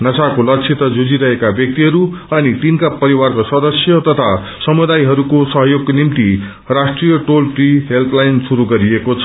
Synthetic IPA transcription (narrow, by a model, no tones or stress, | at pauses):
nʌsakolʌkt͡sʰit̪ʌd͡zod͡ziɾʌɦekabjʌk̚t̪iɦʌɾuʌnit̪inkapʌɾiwarkosʌd̪ʌsjʌt̪ʌt̪ʰa | sʌmud̪ajɦʌɾukosʌɦʌjoɡnimt̪i | rasʈrijʌʈolʈriɦelpʰlajnsuɾuɡʌɾiekot͡sʰʌ